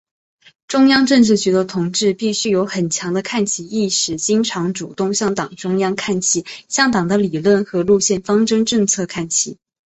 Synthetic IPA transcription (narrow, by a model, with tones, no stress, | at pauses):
ʈ͡ʂʊ˥ŋjɑ˥ŋʈ͡ʂɤ˥˧ŋʈ͡ʂɻ̩˥˩t͡ɕy˧˥d̪ə˧t̪ʰʊ˧˥ŋʈ͡ʂɻ̩˥˧pi˥˩ɕy˥jo˧˥ʊxə˨˩nt͡ɕʰjɑ˧˥ŋd̪ə˧kʰa˥˩nt͡ɕʰi˧˥i˥˩ʂɻ̩˨˩t͡ɕi˥ŋʈ͡ʂʰɑ˧˥ŋʈ͡ʂu˨˩t̪ʊ˥˧ŋɕjɑ˥˩ŋt̪ɑ˨˩ŋʈ͡ʂʊ˥ŋjɑ˥ŋkʰa˥˩nt͡ɕʰi˧˥˦ɕjɑ˥˩ŋt̪ɑ˨˩ŋd̪ə˦li˨˩lwə˥˩nxɤ˧˥lu˥˧ɕjɛ˥˩nfɑ˥ŋʈ͡ʂɤ˥ŋʈ͡ʂɤ˥˧ŋt͡sʰɤ˥˧kʰa˥˩nt͡ɕʰḭ˧˩˦